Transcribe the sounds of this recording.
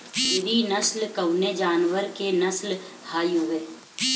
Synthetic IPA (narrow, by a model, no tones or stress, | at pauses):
sɪɾinəslkɐʊned͡ʒaːnʋəɾkenəsl | haːjɦʊʋeː